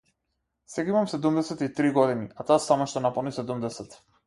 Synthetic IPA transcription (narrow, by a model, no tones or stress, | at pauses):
sɛɡaimamsɛd̪umd̪ɛsɛt̪it̪ɾiɡɔd̪iniat̪ɔasamaʃt̪ɔnapɔlˠnisɛd̪umd̪ɛsɛt̪